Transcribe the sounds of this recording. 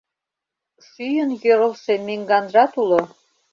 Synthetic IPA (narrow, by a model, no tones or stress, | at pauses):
ʃyjənjøɾə̆lʃemeŋɡɑnrɑt̪ulŏ